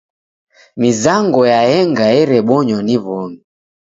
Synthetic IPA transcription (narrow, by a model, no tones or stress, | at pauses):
mizaŋɡɔjaɛŋɡaɛɾɛɓɔɲɔniβɔmi